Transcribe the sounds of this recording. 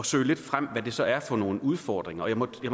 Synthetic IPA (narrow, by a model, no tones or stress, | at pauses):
ɒsø̰ɪle̝d̥fʁam̰ʋæd̥e̝sɒ̽ʔæɐfɒ̽no̝ːn̩uð̞ˠffɒːd̥ʁeŋɐɒ̽jäɪmɒ̽jäm